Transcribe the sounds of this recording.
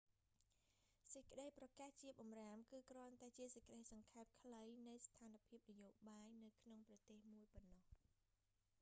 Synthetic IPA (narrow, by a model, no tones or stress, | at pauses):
səc̚kə̆ɗəjprɑkaːht͡ɕiəp̚ɓɑmraːmkɨːkrŏənt̪aɛt͡ɕiəsec̚kəɗəjsɑŋkʰaɛp̚kʰləjnɨwst̪ʰaːnapʰiəp̚nijoːɓaːjnɨwkʰnoŋprɑt̪eːhmuəjponːɑh